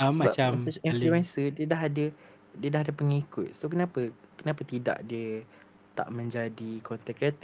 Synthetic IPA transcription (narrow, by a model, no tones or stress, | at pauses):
aaat͡ʃaifluɛnsədiədaɦadə | diədaɦadəpəŋikʊt̪̚sokənãpəkənapət̪ida̰ʔdiə | t̪a̰ʔmə̃ɲd͡ʒadikɔnt̪ɛkːɾat̪i